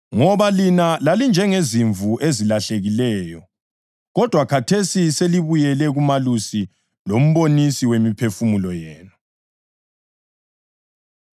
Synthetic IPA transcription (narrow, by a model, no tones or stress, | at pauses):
ŋɔβalinalalind͡ʒʱɛŋeziɱvuʔezilaɬeɣilɛːjɔ | ɣɔd̥ʱwakʰatʰesiseliβujɛlɛɣumalusi | lom̩βonisiwemipʰefumulɔjɛːna